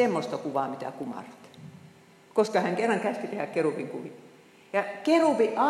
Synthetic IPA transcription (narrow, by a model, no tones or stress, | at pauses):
emːost̪ɑkuʋɑːmit̪æ̰kumɑ̰rt̪ː | koskɑhæŋkerːɑŋkæst̪it̪ehækkerupiŋkuʋi | jɑkeruˑpiʔɑ